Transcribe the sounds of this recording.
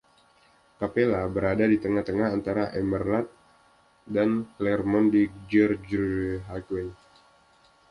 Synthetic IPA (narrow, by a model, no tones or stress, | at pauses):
kapelabəɾadadit̪əŋaht̪əŋaɦant̪aɾaʔɛmərlat̪̚ | danklɛrmɔndid͡ʒərd͡ʒɦakwɛn